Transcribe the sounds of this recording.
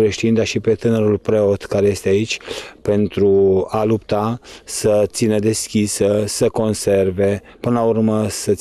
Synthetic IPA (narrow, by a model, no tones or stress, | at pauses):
ɾe̞ʃt̪ind̪aʃipe̞t̪ɨnəɾulpɾe̞o̞t̪kaɾe̞je̞st̪eait͡ʃʲpe̞nt̪ɾualupt̪asət̪sinəd̪e̞skʲisəsəko̞nse̞rve̞ | pɨnəlaurməsə